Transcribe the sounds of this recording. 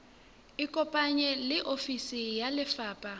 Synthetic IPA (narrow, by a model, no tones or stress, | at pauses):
ikʼɔpʼaɲɛlɪʔofisijalɪfaːpʼa